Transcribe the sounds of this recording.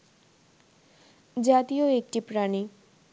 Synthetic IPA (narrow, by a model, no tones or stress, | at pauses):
d͡ʒat̪ijoek̚ʈipɾaɽ̃i